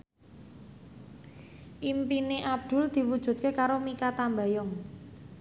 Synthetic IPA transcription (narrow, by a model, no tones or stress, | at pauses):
ʔimpineʔab̚d̪̥ʊ̤ld̪̥i̤wud̥ʒ̥ṳt̪̚kekaɾomikat̪ambajɔŋ